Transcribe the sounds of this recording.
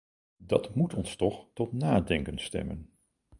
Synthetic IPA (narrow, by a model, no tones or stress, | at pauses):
dɑtmutɔnstɔχtɔtnaːdɛŋkənstɛ̰mə̰n